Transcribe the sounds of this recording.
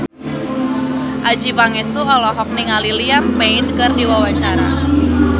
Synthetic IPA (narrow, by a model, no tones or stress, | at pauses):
ʔad͡ʒipaŋɛst̪uɔlɔɦɔk̚niŋaliliampeɪnkərdiwawaɲt͡ʃaɾa̰